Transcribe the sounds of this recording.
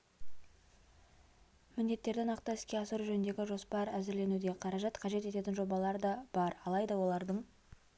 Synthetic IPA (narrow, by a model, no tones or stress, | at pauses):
mɪnd̪e̞t̪ːe̞ɾd̪ɪnɑqt̪ɑɪskʲe̞ɑsəɾʒɵnɪnd̪e̞ɡʲɪʒo̞spɑɾæzɪɾle̞nud̪e̞qʰɑɾɑʒɑt̪qʰɑʒe̞t̪e̞t̪e̞t̪ɪnʒo̞bɑlˠɑɾəd̪ɑb̥ɑɾɑlˠɑjd̪ɑwo̞lˠɑɾd̪əɴ